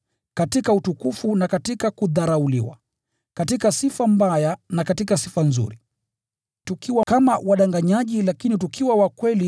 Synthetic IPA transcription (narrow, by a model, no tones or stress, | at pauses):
katikautukufunakatikakuðaɾaulḭwa̰ | katikasifam̩bajanakatikasifanzṵɾi | tukiwakamawaɗaŋɡaɲaʄilakinit̬ukiwawakwɛli